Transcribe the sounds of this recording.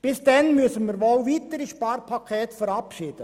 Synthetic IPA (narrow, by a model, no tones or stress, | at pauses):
b̥ɪsd̥ɛnmyəsənmɪɾʋɔlʋiːt̪əɾiʃpɑːɾpʰɑkʰɛːtfəɾɑpʃɪːd̥ə